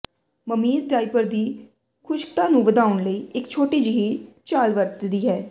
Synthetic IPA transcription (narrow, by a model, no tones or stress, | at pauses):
məmiːzʈaːɪpəɾd̪iː | kʰʊʃkt̪ãːnũːʋəd̪aːʊɳləiːʔɪkt͡ʃʰoːʈiːd͡ʒɪɦiːt͡ʃaːlʋəɾt̪d̪iːɦɛː